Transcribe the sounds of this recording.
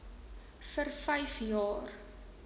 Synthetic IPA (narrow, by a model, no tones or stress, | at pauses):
fərfəjfjɑːr